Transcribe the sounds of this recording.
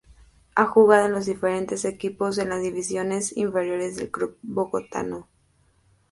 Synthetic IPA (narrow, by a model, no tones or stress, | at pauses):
axuɣaðoenlo̞zðife̞ɾe̞nt̪e̞se̞kipo̞s̬e̞nlazðiβisjo̞ne̞sḭɱfe̞ɾjo̞ɾe̞zðe̞̰lkɾup̚boɣo̞t̪a̰no